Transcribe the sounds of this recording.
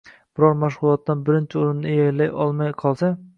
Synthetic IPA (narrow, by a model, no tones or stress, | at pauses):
b̥ɪɾɒɾmaʃ̬ʁʊlˠɒt̪ːanbɪɾɪnt͡ʃʰɪoɾɪnːɪjajlajɒlˠmajqʰɒlˠsa